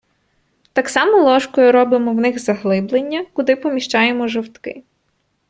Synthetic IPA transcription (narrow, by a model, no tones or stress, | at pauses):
t̪ɑksɑmɔlˠɔʃkɔjʊɾɔbɪmɔwnɪxzɐɦlˠɪblˠenʲːɐkʊd̪ɪpɔmʲiʃt͡ʃɑjemɔʒɔwt̪kɪ̰